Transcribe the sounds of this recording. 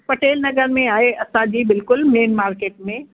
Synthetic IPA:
pɐʈeːlnɐɡəɾmẽaːɦeɐsãd͡ʑiːbɪlkʊlmeːnmaːɾkeːʈ̚mẽ

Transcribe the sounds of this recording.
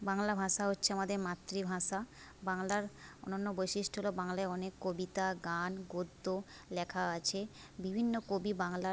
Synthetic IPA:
baŋlabʱaʃaɦotːɕʰeamad̪eɾmat̪ːɾibʱaʃa | baŋlaɾo̰nonːobojʃiʃʈoɦolobaŋlaeɔnekːobit̪aɡanɡod̪ːo | lɛkʰaat͡ɕʰe | bibʱinːokobibaŋla

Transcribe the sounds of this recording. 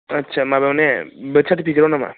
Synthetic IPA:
ətːʃʰamãbewnebət͡ʃʰat̪ipikɾonamã̰

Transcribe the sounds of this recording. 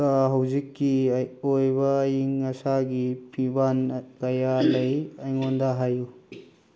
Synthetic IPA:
aɦɐwzikːiojbɐːjiŋɐsaɡipʰibankɐjalɐjɐjŋondaɦaju

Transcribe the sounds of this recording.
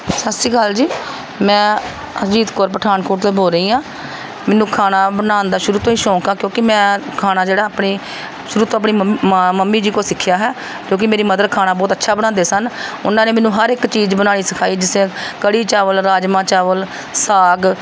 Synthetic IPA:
səssiːkald͡ʒiː | mɛ̃ː | əd͡ʒiːd̪koːɾp̬əʈʰaːnkoːʈt̪eːboːɾəiːãː | mɛːnũːkʰaːnaːbənaːnd̪aːʃʊɾuːt̪õːiːʃɔ̃ːkaːkjõːkɪmɛ̃ːkʰaːnaːd͡ʒeːɽaːapɳiː | ʃʊɾuːt̪õːəpɳiːməmːiːd͡ʒiːkoːsɪkʰːjaːɦɛː | d͡ʒõːkɪmeːɾiːməd̪əɾkʰaːnaːbɔːt̪ətːʃʰaːbənãːd̪eːsənʊ̰nãːneːmɛ̃ːnːũːɦəɾɪkt͡ʃiːd͡ʒbənaːɽiːsəkʰaːiːd͡ʒɪsẽːkəɽiːt͡ʃaːʋəlɾaːd͡ʒmãːt͡ʃaːʋəl | saːɡ

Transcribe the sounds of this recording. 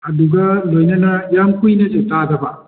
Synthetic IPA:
ɐduɡɐlojnɐnɐjamkujnɐzetadɐbɐ

